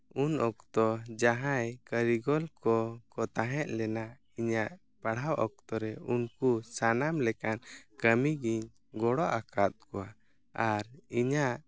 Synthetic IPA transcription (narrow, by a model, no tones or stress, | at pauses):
unɔkt̪ɔd͡ʒaɦãjkəɾiɡɔlkɔkɔt̪aɦɛt̪̚ˀlɛna | iɲaʔ | paɽawʔɔk̚t̪ɔɾɛunkusanamlɛkankəmiɡiɲ | ɡɔɽɔʔakat̪̚kɔwa | aɾiɲaʔ